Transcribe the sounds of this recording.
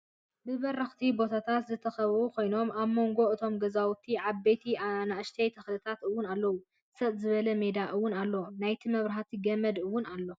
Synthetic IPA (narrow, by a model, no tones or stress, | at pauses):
bɨβɐɾːɐxt̪ʰibo̞t̪ʰat̪ʰat̪zɨt̪ʰːɐxɐβukʰo̞jno̞mʔaβmo̞ŋɡo̞ɨt̪ʰo̞mɡɐzawt̪ʰiʕaβbejt̪ʰianaʔɨʃt̪ʰejt̪ʰɐxlɨt̪ʰat̪ɨwːʊnalːɐwu | sɐβzɨβɐlɐme̞d̪aʔɨwːʊnalːonajt̪ʰimɐβɾɐɦat̪ʰiɡɐmɐd̪ɨwːʊnalːo̞